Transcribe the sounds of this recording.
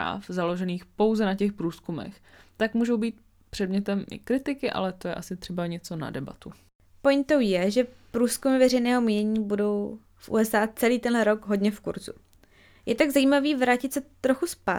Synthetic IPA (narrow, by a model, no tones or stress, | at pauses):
a̰ːfzalo̞ʒɛniːxpo̞wzɛnacɛxpɾuːskumɛ̰x | t̪akmuːʒowbiːt̪̚ | pr̥ɛdmɲɛt̪ɛmʔɪ̰kɾɪt̪ɪkɪʔa̰lɛt̪ojɛ̰ʔasɪt̪r̥ɛbaɲɛt͡so̞na̰dɛba̰t̪u | po̞jnt̪o̞wjɛʒɛpɾuːskumɪvɛrɛjnɛːɦo̞miːɲɛɲiːbudo̞w | fʔṵːɛsʔaːt͡sɛliːt̪ɛnlɛɾo̞ɡɦo̞dɲɛfkṵɾzṵ | jɛt̪aɡzaiːmaviːvɾaːcɪt̪sɛt̪ɾoxuspa̰ː